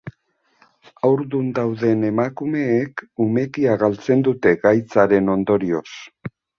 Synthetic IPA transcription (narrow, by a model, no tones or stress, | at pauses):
awɾðund̪awðe̞ne̞makume̞ːkume̞kiaɣalt͡se̞nd̪ut̪e̞ɡajt͡saɾe̞no̞nd̪o̞ɾio̞s